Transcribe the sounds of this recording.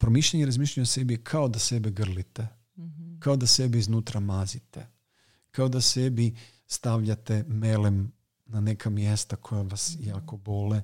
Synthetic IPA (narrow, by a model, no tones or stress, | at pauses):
pɾomiʃʎeɲeɾazmiːʃʎauɲjese̞bikʰaod̪ase̞biɡr̩lit̪e | kaod̪ase̞biiznuːt̪ɾamazit̪ḛ | kao̞d̪ase̞bi | st̪aʋʎat̪e̞melem | nane̞kʰamje̞st̪akʰo̞jaʋasjaːko̞bo̞le